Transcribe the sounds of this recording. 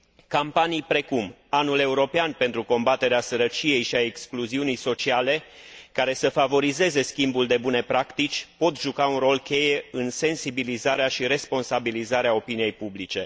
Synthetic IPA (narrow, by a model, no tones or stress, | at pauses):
kampanijpɾe̞kum | anule̞uɾo̞peanpe̞nt̪ɾuko̞mbat̪e̞ɾeasəɾət͡ʃije̞jʃiaekskluziunijso̞t͡ʃiale̞ | kaɾe̞səfavo̞ɾize̞ze̞skʲimbuld̪e̞bune̞pɾakt̪it͡ʃʲpo̞t̪ʒukaunro̞lkʲe̞je̞ɨnse̞nsibilizaɾeaʃiɾe̞spo̞nsabilizaɾeao̞pinije̞jpublit͡ʃe̞